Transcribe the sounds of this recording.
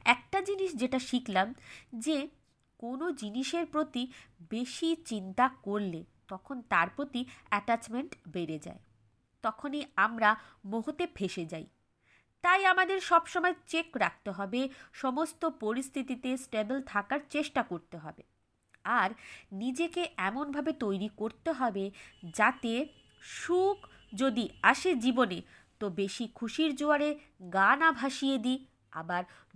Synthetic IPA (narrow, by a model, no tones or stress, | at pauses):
ɛk̚ʈad͡ʑiniʃd͡ʑeʈaʃiklamd͡ʑe | konod͡ʑiniʃeɾpɾot̪ibeʃit͡ɕint̪akoɾlet̪ɔkʰont̪aɾpɾot̪iɛʈat͡ɕmeɳʈbeɾed͡ʑa̰e | t̪ɔkʰoniamɾa | moɦot̪epʰeʃed͡ʑaj | t̪ajamad̪eɾʃɔbʃɔmɔet͡ɕekɾak̚ʰt̪eɦɔbeʃɔmost̪opoɾist̪ʰit̪it̪esʈebelt̪ʰakaɾt͡ɕeʃʈakoɾt̪eɦɔbe | aɾnid͡ʑekeʔɛmonbʱabet̪ojɾikoɾt̪eɦɔbed͡ʑat̪e | ʃuk | d͡ʑod̪iaʃed͡ʑibonet̪obeʃikʰuʃiɾd͡ʑoaɾe | ɡanabʱaʃijed̪i | a̰baɾ